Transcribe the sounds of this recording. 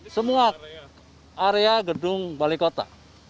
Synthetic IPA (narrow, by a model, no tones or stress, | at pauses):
səmua | aɾeaɡədʊŋbalikot̪a̰